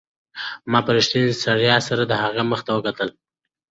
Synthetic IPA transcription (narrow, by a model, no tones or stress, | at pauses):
mɑpaɾɪʃt̪insaɽjɑsaɾad̪əhaɣeməxt̪awəkat̪əl